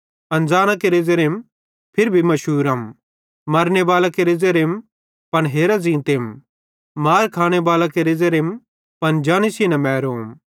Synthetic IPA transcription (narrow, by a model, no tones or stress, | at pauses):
ɐ̃nd͡zaːñakeɾed͡zeɾem | pʰɪɾbʱimɐʃuːɾɐm | mɐɾnebaːlakeɾezeɾem | pɐnɦeːɾazĩːt̪eːm | maːɾkʰaːɽ̃ebaːlakeɾezeɾem | pɐnd͡ʒaːnisinɐmɛːɾoːm